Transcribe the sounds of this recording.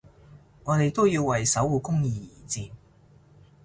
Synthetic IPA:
ŋɔː˨˧t̪e˨jt̪o˥wjiː˧wːɐ˨jsɐ˨˥wuː˨˧kʊ˥ŋjiː˨˧jiː˨˩t͡siː˨˧m

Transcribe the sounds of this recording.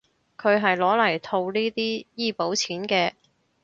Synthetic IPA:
kʰɵ˨˧ɥɦɐ˨jlɔː˨˥lɐ˨˩jt̪ʰo˧wliː˥t̪iː˥jiː˥˩po˨˥wt͡sʰiː˨˥nkɛː˧

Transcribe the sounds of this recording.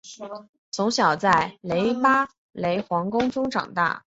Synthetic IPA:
t͡sʰʊ˧˥ŋɕ̬jɑ˨˩ʊt͡sa˥˩ɪle˧˥ɪpa˥ | le˧˥ɪxwɑ˧˥ŋkʊ˥ŋʈ͡ʂʊ˥ŋʈ͡ʂɑ̰˨˩ŋt̪a̰˥˩

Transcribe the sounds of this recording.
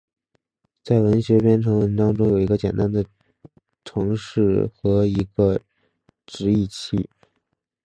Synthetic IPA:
t͡sa˥˩ɪwə˧˥nɕɥɛ˧˥pjɛ˥nʈ͡ʂʰɤ˧˥ŋwə˧˥nʈ͡ʂɑ˥ŋʈ͡ʂʊ˥ŋjo˨˩ʊi˧˥ɡə˧t͡ɕjɛ̰˨˩nt̪a˥nd̪ə˨ | ʈ͡ʂʰɤ˧˥ŋʂɻ̩˥˩xɤ˧˥i˧˥ɡə˧ | ʈ͡ʂɻ̩˧˥i˥˧t͡ɕʰi˥˩

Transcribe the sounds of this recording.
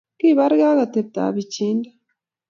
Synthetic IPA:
ki˦˨βa˦ɾɡa˦ɣa˨te˨b̚ta̰˨βi˨t͡ʃi˦nda˦

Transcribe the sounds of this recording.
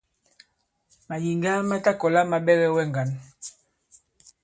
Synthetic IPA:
ma˨ji˨ŋɡa˦ma˦ta˦kɔ˨la˦ma˨ɓɛ˦ɣɛ˦wɛ˦˨ŋɡa˨n

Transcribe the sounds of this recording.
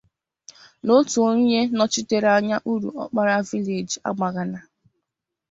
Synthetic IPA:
no˦tu˨o˦ɲe˦nɔ˦t͡ʃi˦te˦ɾa˦ɲa˦ʔu˦ɾṵ˨ɔ˦k͡pa˦ɾa˦vi˦le˨d͡ʒa̰˦ɡ͡ba˨ɣa˨na˨

